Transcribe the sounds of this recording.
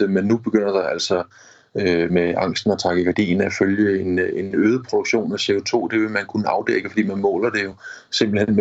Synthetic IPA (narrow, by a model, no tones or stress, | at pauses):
menːub̥e̝ɡ̥øn̰ɐd̥ɑ̈æl̰sɒ̽ | ømeɑ̈ŋ̰sd̥n̩ɒt͡sʰɑ̈ɡ̥əkæd̥ḭːnæføljəe̝ne̝nøːð̞ˠəpʰʁod̥uɡ̥ɕo̝̰ːnæse̝ot͡sʰo̝̰ːd̥e̝ʋe̝mænkʰunəɑ̈ʊd̥eɡ̥əfɒd̥ḭːmænmɔ̰̽ːlɐd̥e̝jo̝se̝mb̥l̩hen̰m